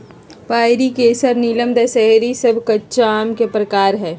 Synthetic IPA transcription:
paːɪɾikeːsəɾniləmd̪esɛeɾisɐbʱkɐtːʃaːmkepɾɐkaːɾɦɛː

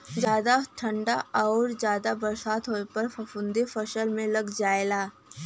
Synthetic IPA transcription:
d͡ʒjaːd̪aʈʰɐ̃ɳɖaɔːɾzjaːd̪abɐɾsaːt̪ɦoːepɐɾfɐfʊ̃nd̪efɐʃəlmẽlɐɡd͡ʒaːelaː

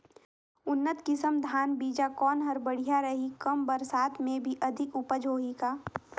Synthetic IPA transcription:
ʊnːət̪kɪsəmd̪ʱaːnbiːd͡ʒakɔːnɦɐɾbɐɽ̤ijaɾɐɦikɐmbɐɾsaːt̪mẽbʱiʔɐd̪ʱɪkʊpəd͡ʒʱoːɦikaː

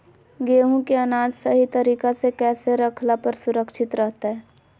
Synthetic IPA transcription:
ɡeːɦũkeɐnaːd͡ʒsɐɦit̪ɐɾiːkasekɛːseɾɐkʰlapɐɾsʊɾəkʃɪt̪ɾəɦt̪aɦɛː

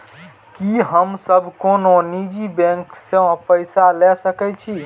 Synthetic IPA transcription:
kiɦəmsəbʱkononid͡ʒibɛ̃ŋksə̃pəjsalɛsəkɛt͡ʃʰi

